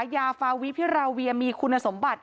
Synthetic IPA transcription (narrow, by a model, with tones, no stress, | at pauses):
jaː˧faː˧wi˦˥pʰi˦˥ɾaː˧wi˧əmiː˧kʰu˧nːa˧so˩˦mba˨˩t̪̚